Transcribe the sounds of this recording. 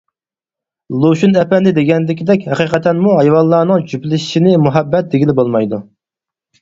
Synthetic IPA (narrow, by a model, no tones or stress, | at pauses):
lˠoʃunɛpɛnd̪ɪd̪eɡʲɛnlɪkʲid̪ɛkʲhɛqiːqɛt̪ʰɛnmuɦɑjwɑlˠːɑːnɨŋt͡ʃʰyplɪʃi̥ʃinɪmuɦɛbːɛt̪̚d̪eɡʲilɪbolˠmɑjd̪u